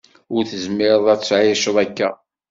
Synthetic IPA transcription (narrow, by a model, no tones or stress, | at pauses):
ʊɾθəzmːɪɾðˤæt͡sːʕɪʃəðˤækːæ